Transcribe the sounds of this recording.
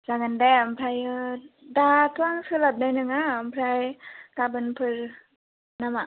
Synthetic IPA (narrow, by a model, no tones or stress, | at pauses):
zaŋɯndajampʰɾajɯdatʰuwaŋsɯlap̚najnɯŋampʰɾajkabɯnpʰɯɾ | nama